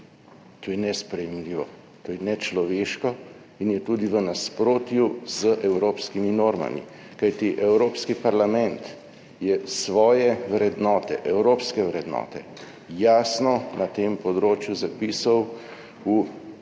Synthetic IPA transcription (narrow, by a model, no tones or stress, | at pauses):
t̪oːjɛnɛspɾɛjɛmliːʋɔ | t̪oːjɛnɛt͡ʃlɔʋeːʃkɔ | injɛt̪uːd̪iʋənaspɾoːt̪juz̥əʔɛwɾoːpskiminoːɾma̰mḭ | kajt̪iʔɛwɾoːpskipaɾlamɛ̃nt̪ | jɛsʋɔːjɛwɾɛd̪nɔːt̪ɛ̰ʔɛwɾoːpskɛwɾɛd̪nɔ̰ːt̪ɛ̰ | jaːsnɔnat̪empɔd̪ɾoːt͡ʃjuzapiːsɐw | u